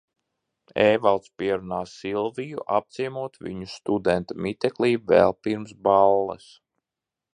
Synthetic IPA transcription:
eːvalˠt̪spiɛɾunaːssilˠvijuʔap̚t̪siɛmuɔt̪vḭɲust̪ud̪ɛnt̪amit̪ɛkliːvɛ̰lˠpiɾmsbalˠːɐ̰s

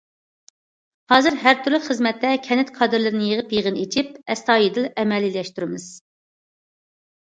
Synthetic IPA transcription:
hɑːzɨɾɦæɾt̪ʰyɾlɪχəzmɛt̪ːɛkʲʰɛnɪt̪kʰɑːd̪ɨɾlɪɾnɪjəʁəpjeʁənet͡ʃʰip̚ɛst̪ɑːjid̪ɪlɛmɛlːilɛʃt̪yɾɪmɪz̥

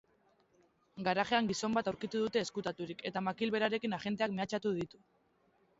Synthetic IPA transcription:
ɡaɾaʝe̞aŋɡiso̞mbat̪awɾkit̪uðut̪e̞ːskut̪at̪uɾike̞t̪amakilβe̞ɾaɾe̞kinaʝe̞nt̪e̞akme̞at͡ʃat̪uðit̪u

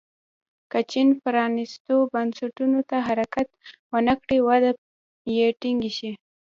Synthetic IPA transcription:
kət͡ʃinpəɾɑnist̪obansaʈunot̪aɦaɾakat̪wənakɽiwad̪a | jeʈiŋɡiʃi

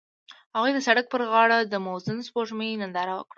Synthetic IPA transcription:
haɣujd̪əsaɽak̚pəɾɣɑɽad̪əmowzənspoʒməjnand̪ɑɾawə̰kɽa

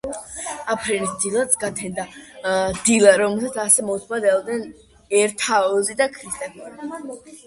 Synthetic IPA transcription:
apʰɾɛnisd̪ilˠat̪ɡat̪ʰɛnd̪a | d̪ilˠaɾɔmɛlˠsat̪sʰasɛmɔt̪ʰmad̪ɛlˠd̪nɛn | ɛɾt̪ʰaɔzid̪akʰɾist̪ʼɛpʰ

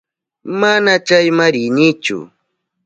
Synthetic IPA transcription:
manat͡ʃajmaɾɪnɪt͡ʃʊ̰

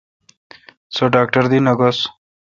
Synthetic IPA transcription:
soɖaːk̚ʈɐɾd̪inɐɡos

